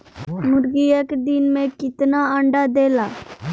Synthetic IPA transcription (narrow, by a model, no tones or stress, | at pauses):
mʊɾɡijəkd̪ɪnmẽkɪt̪naə̃ɳɖad̪eːlaː